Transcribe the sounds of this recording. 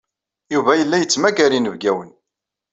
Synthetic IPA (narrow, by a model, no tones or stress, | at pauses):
juvæjəlːæjət͡sːmæɡæɾinəvɡæwən